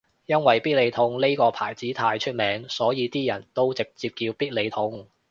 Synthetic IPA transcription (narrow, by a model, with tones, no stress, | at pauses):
jɐ˥nwɐ˨jpiː˥t̚le˨˧jt̪ʰʊ˨˧ŋle˥jkɔː˧pʰa̰ː˨˩jt͡siː˨˥t̪ʰaː˧jt͡ʃʰɵ˥t̚mɛː˨˥ŋsɔː˨˥jiː˨˧t̪iː˥jɐ˨˩nt̪o˥wt͡sɪ˨k̚t͡siː˧p̚kiː˧wpiː˥t̚le˨˧jt̪ʰʊ˧ŋ